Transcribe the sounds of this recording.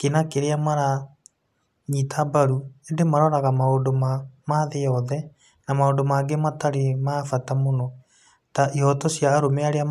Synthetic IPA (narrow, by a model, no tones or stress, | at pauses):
kenakeɾeamaɾa | ɲitʰabaɾuendemaɾɔɾaɣamaondomamaðejɔðɛ | namaoːndomaːɡemataɾemafatamonɔ | taʔihɔtɔsjaːɾomeaɾea